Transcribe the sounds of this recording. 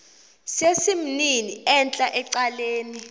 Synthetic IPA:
sesim̩niniɛnt͡ɬʼaʔɛǀaleːni

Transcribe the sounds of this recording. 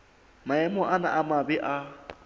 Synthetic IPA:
maɛmɔʔana̰ʔamabɛʔa

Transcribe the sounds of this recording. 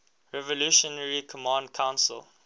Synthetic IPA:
ɹɛvɔluʃɔnəɹikʰɔmãːndkʰãʊ̃nsə̰l

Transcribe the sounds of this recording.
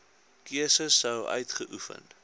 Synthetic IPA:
kiəsəsːəwœ̰ɥtχəʔufə̰nt

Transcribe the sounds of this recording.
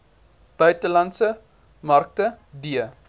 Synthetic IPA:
b̥œɥtəlɐntsə | mɐrk̚tə | diə

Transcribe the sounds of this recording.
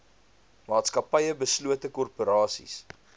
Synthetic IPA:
mɑːtskɐpɐjəbəsluətəkɔrpuɾɑːsḭs

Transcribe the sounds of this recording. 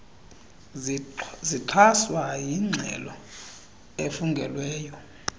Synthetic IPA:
ziǃʰaswajiŋ͡ǀʱɛ̰lɔ | efuŋɡʱɛ̰lwɛːjɔ

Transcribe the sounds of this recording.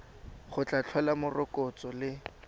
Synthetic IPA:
χʊt͡ɬʼat͡ɬʰwalamʊrɔkʼɔt͡sʼɔlɪ

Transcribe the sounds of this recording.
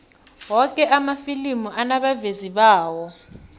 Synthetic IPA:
wɔkʼɛʔamafilimuʔanaɓaveziɓaːwɔ

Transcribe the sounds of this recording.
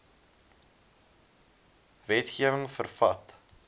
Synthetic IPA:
vɛtχiəvəŋfərfɐt

